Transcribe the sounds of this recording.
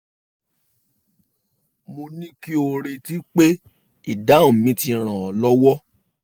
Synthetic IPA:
mo˧nĩ˦ki˦o˧ɾe˨˧ti˦k͡pe˦ | i˦˨da˨˦ũ˦˨mĩ˨˦ti˧ɾ̃ã˨ɔ˨lɔ˦wɔ˦

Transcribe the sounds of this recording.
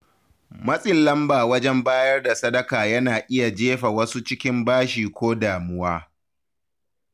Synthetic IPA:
mɐ˦sʼɪ˨nlɐ˦mbaː˨wɐ˦d͡ʒɛ˦mbaː˦jɐ˦rda˨sɐ˦dɐ˦kaː˨jɐ˦naː˨ʔɪ˦ja˨d͡ʒeː˦ɸa˨wɐ˦su˦t͡ʃɪ˦kʲɪ˦mbaː˦ʃiː˨kʷoː˦daː˨mʊ˦waː˦

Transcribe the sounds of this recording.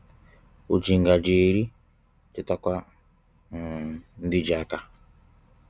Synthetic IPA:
u˨d͡ʒi˨ŋɡa˨d͡ʒe˨ɾi˦ | ti˦ta˦kʷa˦˨ | n˦di˦d͡ʒa˨˦ka˨

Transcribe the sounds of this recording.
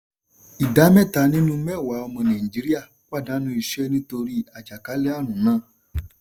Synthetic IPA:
i˨da˨˦mɛ˦˨ta˧˦nĩ˦nũ˦mɛ˦˨wa˨˦ɔ˧mɔ̃˧nã˨ĩ˨d͡ʒi˨˦ɾi˦a˦˨ | k͡pa˦˨dã˨˦nũ˦i˧˨ʃɛ˦nĩ˦to˧ɾi˦a˨d͡ʒa˨ka˨˦lɛ˦a˦˨ñũ˨˦nãː˦

